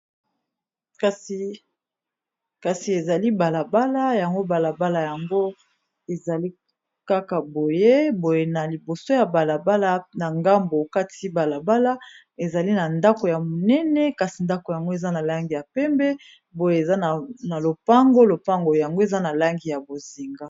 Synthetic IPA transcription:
ka˨si˨ | ka˨si˨e˨za˨li˦ba˨la˨ba˦la˦ja˨ŋɡo˦ba˨la˨ba˦la˨ja˨ŋɡo˦ | e˨za˨li˦ | ka˦ka˨bo˨je˦bo˨je˨na˨li˨bo˨so˦ja˨ba˨la˨ba˦la˦na˨ŋɡa˦mbo˨ka˦tʰi˦ba˨la˨ba˦la˦ | e˨za˨li˦na˨nda˦ko˨ja˨mo˨nɛ˦nɛ˦ka˨si˨nda˦ko˨ja˨ŋɡo˦e˨za˦na˨la˦ŋɡi˨ja˨pɛ˦mbɛ˦ | bo˨je˨e˨za˦n˨na˨lo˨pa˦ŋɡo˦lo˨pa˦ŋɡo˨ja˨ŋɡo˦e˨za˦na˨la˦ŋɡi˨ja˨bo˨zi˨ŋɡa˦

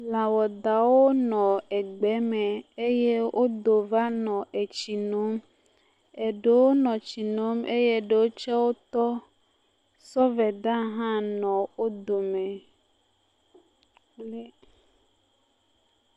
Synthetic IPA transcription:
la˨wɔ˨d̪a˨wo˦nɔ̃˨e˨ɡ͡bɛ˨˦me˨e˦je˦wʔo˦d̪o˨va˦nɔ̃˨ʔe˨t͡ʃi˨no˦m | e˨ɖe˨wo˦nɔ̃˨t͡ɕi˨no˨˦me˦je˦ɖe˨wo˦t͡ʃɛ˦wo˦t̪ɔ˦ | sɔ˦vɛ˨d̪a˦ɦã˦nɔ̃˨wo˦d̪o˨me˨ | k͡plɛ˦

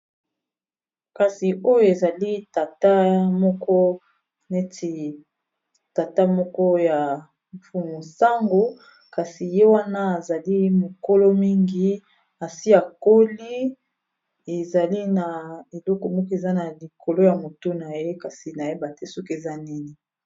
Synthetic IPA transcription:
ka˨si˨o˦jo˦e˨za˨li˦ta˨ta˦mɔ˦kɔ˦ | ne˦ti˨ | ta˨ta˦mɔ˦kɔ˦ja˨ | ɱfu˨˦mo˨sa˦ŋɡo˦ | ka˨si˨je˦wa˦na˦a˨za˨li˦mo˨ko˦lo˦mi˦ŋɡi˨ | a˨si˦a˨ko˦li˦ | e˨za˨li˦na˨e˨lɔ˦kɔ˨mɔ˦kɔ˦e˨za˦na˨li˨kʰo˨lo˦ja˨mo˨to˦na˨je˦ka˨si˨na˨je˦ba˨te˦so˦ke˨za˦nɛ˦ne˨

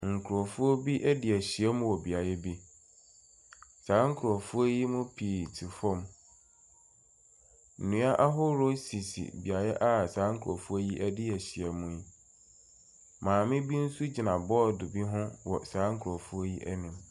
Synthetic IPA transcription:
ŋ̩˨kʰu˨ɾɔ˨fʊ˦ɔ˦bi˦ʔæ˦dɪ˨æ˨ɕi˨ɛ˦mʊ̃˦wɔ˨bi˨a˨jɛ˦bi˦ | sãː˨˦ŋ̩˦kʰʊ˨ɾɔ˨fʊ˦ɔ˦ji˦mʊ̃˦pʰi˨tʰi˨fɔ̃˦m | n̩˨nũ˨˦a˦ʔa˦ɦʊ˦ɾo˦si˨sḭ˨bi˨a˨jɛ˦ʔa˦sãː˨˦ŋ̩˦kʰɾɔ˨fu˦o˦ji˦ʔæ˦dɪ˦æ˨ɕi˨ɛ˨mũ˦i˦ | mãː˨mɪ̃˦bi˦n̩˦su˦d͡ʑi˨nã˨bɔ˦˨dʊ˨bi˦ɦʊ̃˦wɔ˨sãː˨˦ŋ̩˦kʰɾɔ˨fʊ˦ɔ˦ji˦ʔæ˦nĩ˨m

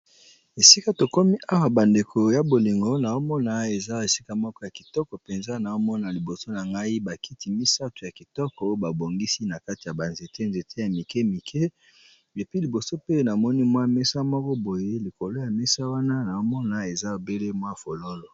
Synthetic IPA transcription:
e˨si˦ka˦to˨ko˦mi˦ʔa˦wa˨ba˨nde˨kʰo˨ja˦bo˨li˨ŋɡo˦na˨o˦mɔ˦na˨˦e˨za˦˨e˨si˦ka˦mɔ˦kɔ˦ja˨ki˨tɔ˦kɔ˨pe˨nza˦na˨o˦mɔ˦na˨li˨bo˨so˦na˨ŋɡa˦i˦ba˨ki˦ti˨mi˦sa˦tu˨ja˨ki˨tɔ˦kɔ˨o˦ba˨bo˨ŋɡi˦si˦na˨ka˦ti˨ja˨ba˨nze˨tʰe˦nze˨tʰe˦ja˨mi˨kɛ˦mi˨kʰe˦ | e˨pi˦li˨bo˨so˦pe˦na˨mɔ˦ni˦mwa˦me˦sa˦mɔ˦kɔ˦bo˨je˦li˨ko˨lo˦ja˨mɛ˦sa˦wa˦na˦na˨o˦mɔ˦na˦e˨za˦o˨be˦le˦mwa˦˨fo˨lo˦lo˨

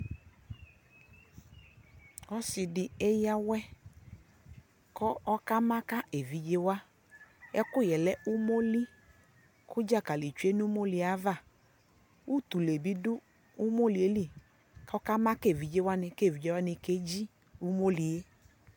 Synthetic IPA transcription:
ɔ˦sɪ˨dɪ˨e˦ja˦wɛ˦ | kɔ˦ɔ˦ka˦ma˦ka˦e˨vi˨d͡ʒe˦wa˦ | ɛ˦kʊ˦˨jɛ˨lɛ˦ʔʊ˦mo˦li˦ | kʊ˦d͡ʒa˦˨ka˨li˨t͡ʃu˨˦e˦nu˦mo˦li˨a˨˦va˦˨ | u˦t̪u˨le˨bi˦dʊ˦ | u˦mo˦li˨e˦li˦˨ | ka˦ɔ˦ka˦ma˦ke˦˨vi˨d͡ʒe˦wa˦nɪ˨ke˦˨vi˨d͡ʒe˦wa˦nɪ˨ke˦d͡ʒi˦ | u˦mo˦li˨e˦

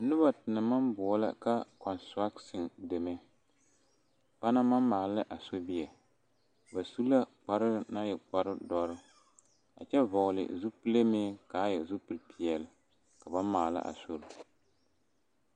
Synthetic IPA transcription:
nɨ˦ba˨tɪ˨nɨ˨ma˦mbɔ˨˦la̰˦ka˦kɔ˨nstɾa˦ksɪ˨ŋde˨me˦ | pa˦na˦ma˦maː˨lɨ˦ʔa˨so˦bi˦ɛ˨ | ba˨su˦la˦k͡pa˦ɾɪ˦˨na˦jɛ˨k͡pa˦ɾɨ˦dɔ˦ɾɨ˦ | a̰˨t͡ʃɛ˦vɔ˨lɪ̰˨zu˦pɨ˦le˦me˦ka˨˦jɛ˨zu˦pɨ˨˦lpi˨ɛ˨lɪ˨ | ka˨ba˦maː˨la̰˦ʔa̰˨so˦ɾʊ˨

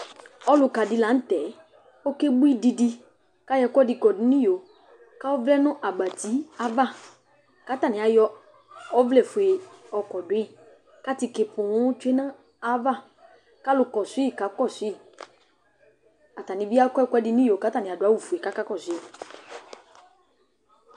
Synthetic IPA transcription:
ɔ˦lʊ˧ka˨di˧la˨˦n̩˦tɛ˨˦ | o˦ke˦bu˦i˦˨di˧di˧ | ka˦jɛ˧kɔ˦di˧kɔ˨dʊ˨˦nĩ˦jo˨ | ka˦ɔ˦vlɛ˦nʊ̃˦ʔa˨ɡ͡ba˨ti˨˦a˦va˦˨ | ka˨˦ta˦˨nĩ˨a˨jɔ˧ | ɔ˦vlɛ˦˨fu˨e˨ɔ˧kɔ˨dʊ˨˦e˦˨ | ka˦ti˧ke˨pʊ̃˨ʊ̃˦t͡ʃʊ˦e˦nã˦ | a˨˦va˦˨ | ka˦lʊ˧kɔ˨su˨˦i˦˨ka˨˦kɔ˦˨su˨˦i˦˨ | a˨ta˨nĩ˨˦bi˦a˦kɔ˦ɛ˦kʷɛ˧˦di˧nĩ˦jo˨ka˨˦ta˦˨nĩ˨a˨dʊ˨a˨˦wu˦˨fu˨e˨ka˨˦ka˦kɔ˦˨sʊ˨˦i˦˨

